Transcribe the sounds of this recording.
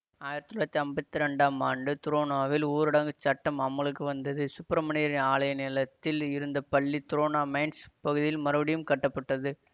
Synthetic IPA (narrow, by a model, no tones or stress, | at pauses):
aːjɪɾɐt̪ːnɭɐt̪ːiɐmbɐt̪ːiɾɛɳɖaːmaːɳɖɯt̪ʊɾoːnaːʋɪluːɾɪɽɐŋɡɯt͡ʃɐʈːɐmɐmːɐɭɯkːɯʋɐnd̪ɐðɯsʊpːɐɾɐmɐniɾɪnaːlɐjɐnɛlɐt̪ːɪlɪɾɯnd̪ɐpɐɭːit̪ʊɾoːnaːmɐɪnspɐɣɯðɪjɪlmɐɾɐʋɐɽɪjɯmkɐʈːɐpːɐʈːɐðɯ